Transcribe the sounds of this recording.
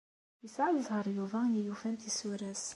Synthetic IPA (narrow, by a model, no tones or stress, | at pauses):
əsʕləzˤhəɾˤjuvænijufænt̪isuɾæs